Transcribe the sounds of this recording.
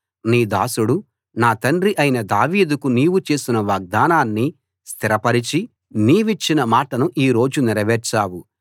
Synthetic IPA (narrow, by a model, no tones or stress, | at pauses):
niːd̪a̰ːsuɽu | naːt̪ɐnɖɾiʔɐjinɐd̪aːʋiːd̪ukuniːʋut͡ʃe̞ːsinɐʋaːɡ̚d̪aːnaːnːi | st̪ʰiɾɐpɐɾit͡ʃi | niːʋit͡ʃːinɐmaːʈɐnuʔiːɾo̞ːd͡ʒuniɾɐʋɛːɾt͡ʃaːwu